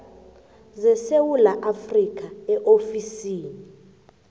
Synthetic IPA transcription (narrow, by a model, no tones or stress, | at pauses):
zɛsewulaʔafrik̬ʰʼaɛʔofisiːni